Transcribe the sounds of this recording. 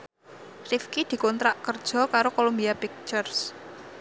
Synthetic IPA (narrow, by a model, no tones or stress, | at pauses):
rifkid̪̥i̤kɔnt̪ɾaʔkərd̥ʒ̥ɔ̤kaɾokolombiapik̚t͡ʃərs